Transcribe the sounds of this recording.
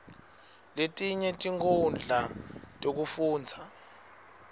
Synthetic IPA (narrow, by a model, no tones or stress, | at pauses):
letʼiɲɛtʼiŋkʰund͡ɮʱatʼok̬ufuːnd͡zʱa